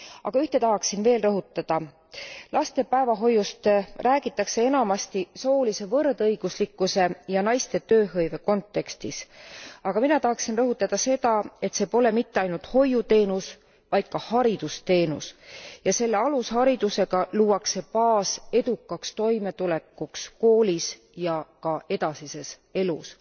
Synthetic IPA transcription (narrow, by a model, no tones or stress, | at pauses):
ɑ̰ɡ̥ɑyht̪e̞t̪ɑɦɑksinve̞ːlrɤɦut̪ːˑɑd̪̥ɑ | lɑst̪e̞pæevɑɦo̞jːust̪ræːɡ̥it̪ːˑɑkse̞e̞nɑmɑst̪iso̞ːlise̞vɤrd̪ɤjɡ̥uslikːuse̞jɑnɑjst̪e̞t̪øːɦɤjve̞ko̞nt̪ːe̞kst̪isɑɡ̥ɑminɑt̪ɑɦɑksinrɤɦut̪ːˑɑd̪̥ɑse̞d̪̥ɑe̞t̪se̞ːpo̞le̞mit̪ːe̞ɑjnult̪ho̞jut̪e̞ːnus | vɑjd̪̥̚kɑhɑɾid̪̥ust̪e̞ːnṵsjɑse̞lːe̞ɑlushɑɾid̪use̞ɡ̥ɑluːɑkse̞pɑːse̞d̪̥ukːˑɑkst̪o̞jme̞t̪ule̞kːˑuksko̞ːlis | jɑkɑe̞d̪ɑsise̞s | e̞lṵs